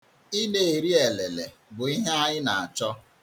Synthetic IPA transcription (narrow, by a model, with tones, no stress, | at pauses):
i˦ne˨e˨ɾi˦e˨le˨le˨ | bʊ˨i˦ɦe˦a˦ɲɪ˦na˨a˨t͡ʃɔ˦